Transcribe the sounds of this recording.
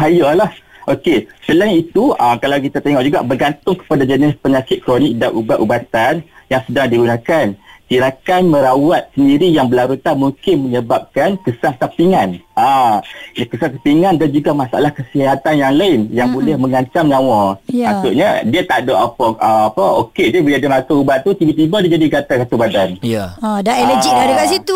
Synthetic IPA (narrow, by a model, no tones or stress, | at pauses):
ɦajalahʔokesəlainit̪uamkalawkit̪at̪eŋɔʔ̚d͡ʒuɡa̰ʔbərɡant̪ʊŋkə̥padad͡ʒənɪspəɲakɪt̪̚kɾonɪk̚daʔubaʔ̪ʔubat̪anjaŋsədaŋdiɡunakankiɾakanmə̃ɾawat̪̚səndiɾijaŋbəlaɾut̪amuŋkɪnməɲəbap̚kankəsaŋt̪apiŋanʔa | kəsaŋk̪apiŋandand͡ʒuɡamasaʔa̰lahkəsiɦat̪anjaŋlaɪnjaŋbolɛhməŋaɲt͡ʃamɲãwaasuʔɲadiat̪aʔdoʔapəaapəokediabəliadimak̪aubat̪̚t̪ːut̪ibat̪ibadid͡ʒadiɡat̪asat̪ubadanjaadaɛləd͡ʒik̚daɾikaʔsit̪u